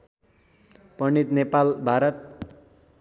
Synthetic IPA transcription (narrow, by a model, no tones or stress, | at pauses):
pʌnit̪nepalbʱaɾʌt̪̚